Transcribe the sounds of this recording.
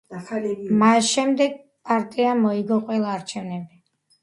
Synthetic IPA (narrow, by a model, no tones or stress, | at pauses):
masʃɛmd̪ɛɡ̚ | pʼaɾt̪ʼiamɔiɡɔqʼwɛlˠaːɾt͡ʃʰɛvnɛbi